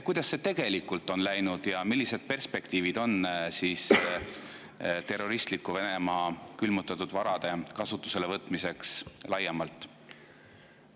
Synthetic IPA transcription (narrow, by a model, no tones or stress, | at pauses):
kujd̪̥ɑsːe̞t̪e̞ɡ̥e̞likːˑult̪ːˑo̞nlæjnud̪̥jɑmilːised̪̥̚pe̞rspe̞kt̪iːvid̪̥o̞nsiːs | t̪e̞rːo̞ɾist̪likːuve̞ne̞mɑːkylmut̪ːˑɑt̪ːˑud̪̥vɑɾɑd̪̥e̞kɑsut̪ˑːu̥se̞le̞vɤt̪ːˑmise̞kslɑjːɑmɑlt̪ːˑ